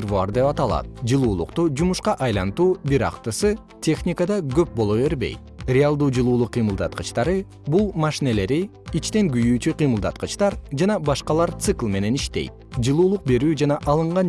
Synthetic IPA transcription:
ɾvuɑɾd̪e̞pɑt̪ɑlˠɑ̰t̪̚d͡ʒɯlˠuːlˠṵqt̪ud͡ʒumuʃqɑʔɑjlˠɑnt̪uːbiɾɑ̰qt̪ɯsɯ | tʲʰe̞xnʲikəd̪ɑɡø̞p̚bo̞lˠoʋe̞ɾbḛjt̪ | rʲɪalˠd̪uːd͡ʒɯlˠuːlˠuqʰːijmɯlˠd̪ɑt̪̚qɯt͡ʃt̪ɑɾɯ | bulˠmɑʃine̞le̞ɾi | it͡ʃt̪e̞ŋɡyjyːt͡ʃyqʰɨjmɯlˠd̪ɑt̪qɯt͡ʃt̪ɑɾd͡ʒɑnɑbɑʃqɑlˠɑɾt̪sɨklˠme̞ne̞niʃt̪e̞̰jt̪̚d͡ʒɯlˠuːlˠuq̚be̞ɾyːd͡ʒɑnɑʔɑlˠɯɴʁɑn

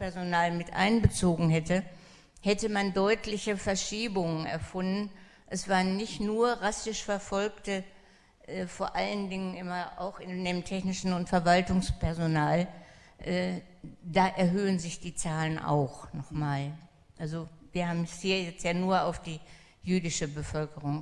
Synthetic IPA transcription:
pɛɐzonaːlmɪtʔa̰ɪnbət͡soːɡŋ̩hɛtə | hɛtəmandɔʏtlɪçəfɛɐʃiːbʊŋənɛ̰ɐfʊndn̩ | ʔɛsv̥aːʁənːɪçtnuːɐʁasɪʃfɛɐfɔlktə | ʔɛːfoːɐʔaləndɪŋənʔɪmɐa̰ʊxɪndeːmtʰɛçnɪʃn̩ʊntfɛɐvaltʊŋspɛɐzonaːl | ʔɛː | d̥aːʔɛɐɦøːənzɪçd̥iːt͡saːlənʔa̰ʊxnɔχmaːl | ʔalzoviːɐhaːbm̩shiːɐjɛt͡stjaːnuːɐaʊfd̥iː | jyːdɪʃəbəfœlkəʁ̞ʊŋ

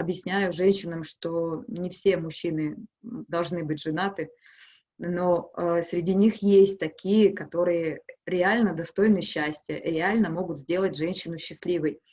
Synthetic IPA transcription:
ɐbjɪsʲnʲæjʊʐɛnʲɕːɪnəmʂt̪o̞nʲɪfsʲe̞mʊɕːinɨd̪ɐlˠʐnɨbɨt̚ʲʐɨnat̪ɨ | no̞əsɾʲɪdʲinʲixjesʲt̚ʲt̪ɐkʲijəkɐt̪o̞ɾɨjəɾʲɪalʲnəd̪ɐst̪o̞jnɨɕːæsʲtʲɪjəʔɾʲɪalʲnəmo̞ɡʊt̪zʲdʲe̞lˠətʲʐɛnʲɕːɪnʊɕːɪslʲivəj

